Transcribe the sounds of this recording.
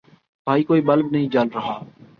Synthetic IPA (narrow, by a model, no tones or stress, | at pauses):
bʱaːiːkoːiːɓəlbnəɦĩːd͡ʒalɾəɦaː